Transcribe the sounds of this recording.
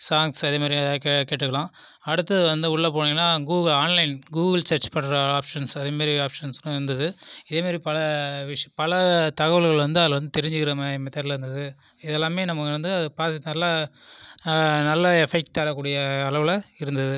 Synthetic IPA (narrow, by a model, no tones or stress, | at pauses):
saːŋsɐðeːmaːd̪ɾikːkeːʈːɯkːɐɭãː | ɐɽɯt̪ːɐðʋɐnd̪ɯʊɭːɐp̬oːɽɪŋɡɐnːaːɡuːɣɐɭaːnlɐɪnɡuːɣɐlt͡ʃɐɾt͡ʃpɐɳːɾɐaːpʂɐnsɐðeːmaːd̪ɾiaːpʂɐnsnʊ̃ɪɾɯnd̪ɐðɯɪðeːmaːd̪ɾipɐlɐʋɪʂɐ̃pɐlɐt̪ɐɣɐʋɐɭɣɐɭʋɐnd̪ɯɐðlɐʋɐnd̪ɯt̪ɛɾɪɲd͡ʒɯkɪɾɐmaɪmɛt̪ːɐːɾlɾɯnd̪ɐðɯ | ɪðɛlːãːmeːnɐmɐkːɪɾɯnd̪ɯɐðɯpaːɾt̪nɐlːa | nɐlːɐɛfɛk̚ʈːaːɾɐkːuːɽɪjɐːlɐʋɪlɐɪɾɯnd̪ɐðɯ